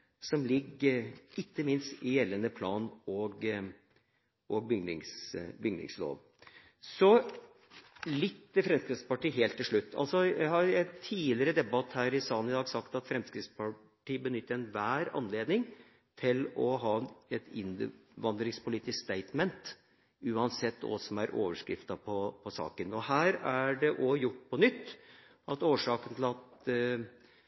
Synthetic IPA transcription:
sɔmlɪɡ | ɪkːəmɪnst̪ɪjɛlːənəpʰlɑːnɔɡ | ʔɔɡ̚bʏɡ̪ɪ̰ŋsbʏɡnɪ̰ŋslo̰ːʋ | sɔ | lɪt̪ːəfɾɛmskɾɪt̪spɑʈiːɦeːlt̪ʰːɪlʂɭʉt̪ʰːɑ̰lsɔjæhɑɾɛnt̪ʰiːlɪəɾəd̪ɛbɑt̪ːhæːɾɪsɑːnɪd̪ɑːɡsɑkt̪ɑt̪fɾɛmskɾɪt̪spɑ | ʈiːəbənʏt̪ːəɾɛnʋæːɾɑ̰nleːd̪nɪŋ | t̪ʰɪlɔɦɑːɛt̪ɪnʋɑnd̪ɾɪŋspʊliːt̪ɪskst̪æɪt̪mɛnt̪ | ʉːɑnsɛt̪ːɔ̰sɔmæɾʔo̰ːʋəʂkɾɪft̪ɑpʰɔpʰɔsɑ̰ːkənɔhæːɾæɖɛʔɔjʊʈːpʰɔnʏt̪ː | ʔɑt̪oːʂɑːkənt̪ʰɪl̩ɑt̪

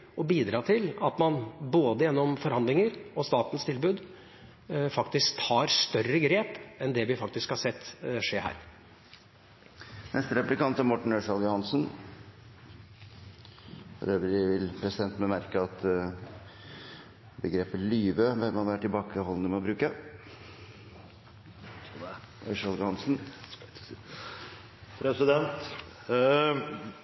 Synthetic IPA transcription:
ɔbiːd̪ɾɑːt̪ʰɪlɑt̪mɑnboːd̪əjɛnːɔmfɔɾhɑnd̪lɪŋəɾɔst̪ɑːt̪ən̩st̪ʰɪlbʉːd̪ | fɑkt̪ɪskt̪ʰɑːɾst̪œrəɡɾeːpɛnd̪ɛʋɪfɑkt̪ɪskhɑsɛt̪ːʂeːhæ̰ːɾ | nʔɛst̪əɾɛplɪkʰɑnt̪æɾmɔʈːɳ̩øːʂɑljʊhɑnsən | fɔ̰ɾøːʋəɾɪʋɪlpʰɾɛsɪd̪ɛnt̪mɛmæɾkəɑt̪ | bəɡɾeːpəlyːʋəʋɛlmɑnʋæːʈɪlbɑːkəhɔlənəmɛɔbɾʉːkə | ʔœʏʂɑljʊhɑnsn | pʰɾɛsɪd̪ɛnt̪

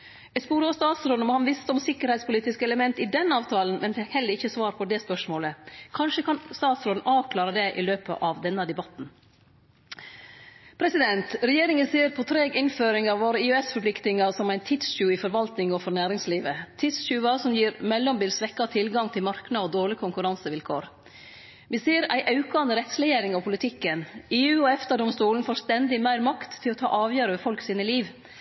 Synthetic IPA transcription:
ɛspuːɾəɔst̪ɑːt̪sɾoːd̪̩mɔhɑnʋɪst̪əɔmsɪkːəɾhɛɪspʊliːt̪ɪskəɛləmɛnt̪ɪd̪ɛnɑːʋt̪ʰɑːlən̩mɛnfɪkhɛlːəɾɪçːəsʋɑːɾpʰɔd̪ɛspœʂmoːləkʰɑnʂəkʰɑnst̪ɑːt̪sɾoːd̪n̩ɑːʋkʰlɑːɾəd̪ɛʔɪløːpə̰ʔɑʋd̪ɛnːəd̪ɛbɑt̪n̩ | pʰɾɛsɪd̪ɛnt̪ɾɛjeːɾɪŋənsiːəɾpʰɔt̪ʰɾeːɡɪnføːɾɪŋɑʋːoːɾəɪʉɛsfɔɾpʰlɪkt̪ɪŋɑɾsɔmæɪnt̪ʰɪt̪sɕʉːɪfɔɾʋɑlt̪nɪŋɔfɔɾnæːɾɪŋsliːʋət̪ʰɪt̪sʃʉːɑsɔmjiːɾmɛlːɔmbiːlsʋɛkːɑt̪ʰɪlɡɑŋt̪ʰɪlmɑɾknɑɔd̪oːɭɪkʰʊŋkʉɾɑnsəʋɪlkʰo̰ːɾ | ʋɪsiːəɾæɪʔɑʉkɑnəɾɛt̪slɛjeːɾɪŋɑpʰʊlɪt̪ʰɪkːəneːʉːɔɛft̪əɖ̪ɔmst̪uːln̩fɔst̪ɛnd̪ɪmæɪɾmɑkt̪ʰːɪlɔt̪ʰɑ̰ːʔɑːʋjøːɾəʋɛːfɔlksiːnəliːʋ

